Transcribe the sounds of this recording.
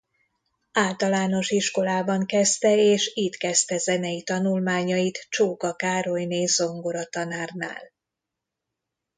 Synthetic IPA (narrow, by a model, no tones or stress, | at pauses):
aːlt̪ɒlaːno̞ʃiʃko̞laːbɒŋkɛst̪ɛeːʃit̪kɛst̪ɛzɛnɛit̪ɒnulmaːɲɒjit̪t͡ʃoːkɒkaːɾo̞jneːzo̞ŋɡoɾɒt̪ɒnaːrna̰ːl